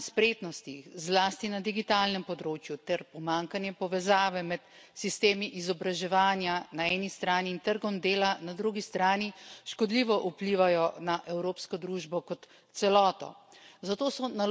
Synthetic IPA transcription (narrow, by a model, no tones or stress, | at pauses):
spɾeːt̪nɔst̪ixzlaːst̪inad̪iɡit̪aːlnɛmpɔd̪ɾoːt͡ʃjut̪ɛɾpɔmaːŋkanjɛpɔʋɛzaːʋɛmɛt̪sist̪eːmiʔizɔbɾaʒɛʋaːnjanaɛːnist̪ɾaːniːnt̪əɾɡɔmd̪eːlanad̪ɾuɡist̪ɾaːniʃkɔd̪liːʋɔʔupliʋajɔnaʔɛwɾoːpskɔd̪ɾuːʒbɔkɔt̪ | sɛlɔːt̪ɔ̰zat̪oːsɔna